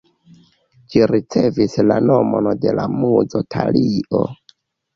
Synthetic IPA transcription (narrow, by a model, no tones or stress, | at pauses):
d͡ʒiɾit͡se̞vislano̞monde̞lamud͡zotʰaliʔo